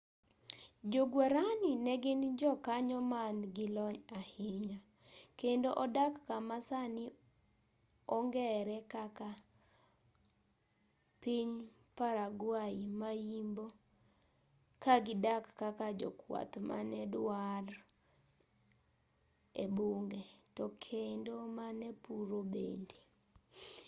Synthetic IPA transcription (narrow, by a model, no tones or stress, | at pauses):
d͡ʒoɡwaɾanɪnɛɡɪnd͡ʒɔkaɲɔmanɡɪlɔɲahɪɲa | kendoʔɔdakːamasanɪ | ɔŋɡɛɾɛkaka | piɲ | paɾaɡwaimajimbo | kaɡɪdakːakad͡ʒɔ̰kwa̰t̪ma̰nɛdwar | ebuŋɡɛtɔkʰendomanɛpuɾobḛnde̥